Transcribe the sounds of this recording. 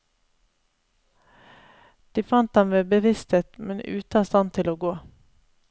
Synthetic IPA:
d̪̥iːfɑnt̪̚d̪ɑmʋeːbəʋɪst̪ʰeːt̪mɛnʉ̰ːt̪əɑst̪ɑnt̪ʰɪloːɡoː

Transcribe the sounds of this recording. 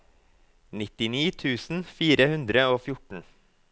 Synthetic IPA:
nɪt̪ɪniːt̪ʰʉːsn̩fiːɾəhʉnd̪ɾəoːfjʊʈɳ̩

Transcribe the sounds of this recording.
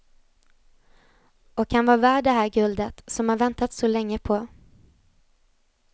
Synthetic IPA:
ɔkhanvɑːvæːɖɛɦæːɾɡɵld̪ət̪sɔmhaɾvɛnt̪at̪sɔlɛŋːəpʰɔ

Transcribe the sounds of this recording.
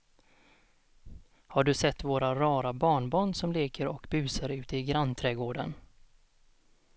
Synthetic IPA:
haɖɵsɛt̪ːvoːɾaɾɑːɾabɑːɳbɑːɳsɔmleːkəɾɔkbʉ̟ːsaɾʉ̟ːt̪əɪɡɾant̪ʰɾɛɡoːɖə̰n

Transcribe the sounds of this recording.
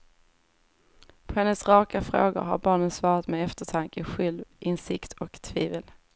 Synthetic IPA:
pʰɔhɛnːəsɾɑːkafɾoːɡʊ̰ɾɦa̰ɾbɑːɳənsvɑːɾat̪mɛɛft̪əʈʰaŋkəɧɛlvʔɪnsɪkt̪ʰɔkt̪ʰviːvəl

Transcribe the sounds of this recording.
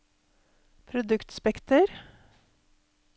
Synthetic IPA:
pʰɾʊd̪ʉkt̪spɛkt̪əɾ

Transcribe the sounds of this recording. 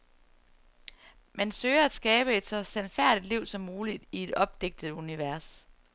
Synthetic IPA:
mænsøɪ̰ɐæd̥sɡ̥ɛːb̥əe̝d̥sɒ̽sænfæɐ̰d̥id̥liʊ̰sɒ̽mːuːlid̥ie̝d̥ɒ̽b̥̚d̥eɡ̥̚d̥əð̩ˠuniʋæɐs

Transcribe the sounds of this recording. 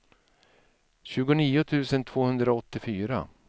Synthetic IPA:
ɕʉ̟ːɡʊniːʊt̪ʰʉ̟ːsənt̪ʰv̥oːhɵnd̪ɾaɔt̪ːɪfyːɾa̰

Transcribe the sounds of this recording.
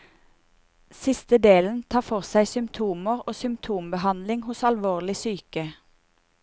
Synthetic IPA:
sɪst̪əd̪eːln̩t̪ʰɑːfɔʁsæɪsʏmt̪ʰuːməʁoːsʏmt̪ʰuːmbəhɑnlɪŋhʊsɑlʋoːʁlɪsyːkə

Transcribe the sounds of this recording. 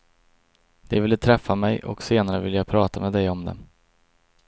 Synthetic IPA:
d̪̥ɛvɪlːət̪ʰɾɛfːamɛjʔɔ̰kseːnaɾəvɪlːjaːɡ̚pʰɾɑːt̪amɛːd̪ɛjɔmd̪ɛ̰

